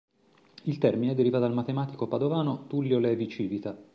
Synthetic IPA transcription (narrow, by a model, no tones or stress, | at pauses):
ilt̪ɛrmineɛd̪eɾiːvad̪almat̪emaːt̪ikopad̪ovaːnot̪ulːjolɛvit͡ʃiːvit̪a